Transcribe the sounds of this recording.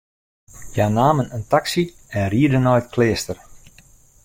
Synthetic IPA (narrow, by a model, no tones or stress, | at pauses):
janaːmənəntaksi | ɛnriədənɔjətkʰlɪəstər